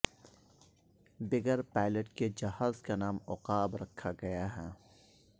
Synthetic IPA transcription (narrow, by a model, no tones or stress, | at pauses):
bɪɡəɾpaːɪləʈked͡ʒɐhaːzkanaːmɔqaːbɾɐkʰːaɡɐjaɦɛː